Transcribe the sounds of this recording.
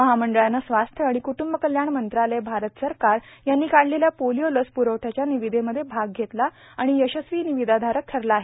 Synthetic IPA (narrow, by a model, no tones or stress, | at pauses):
əɦaməɳɖəɭjanːasʋast̪ʰjəaɽ̃ikuʈumbəkəljaɳmənt̪ɾalebʱaɾət̪əsəɾkaɾjanːiːkaɽleljapolijoləspuɾəwʈʰat͡ɕjaniʋid̪ʱeməd̪ʱjebʱaɡ̚ɡʱet̪la | aɽ̃ijəɕəsʋiːniʋid̪ʱad̪ʱaɾək̚t̪ʰəɾlaːɦe